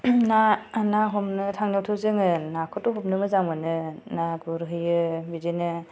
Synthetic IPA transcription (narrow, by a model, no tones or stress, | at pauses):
nanaɦɔmnɯtʰaŋnawtʰɯwzɯŋɯnakʰɔtɔɦɔp̚nɯmɯzaŋmɯnɯnaɡuɾɦɯjɯbizinɯ